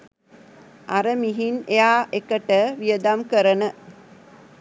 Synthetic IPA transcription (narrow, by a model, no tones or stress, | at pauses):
aɾəmiɦinejaːʔekəʈəʋijəd̪amkəɾənə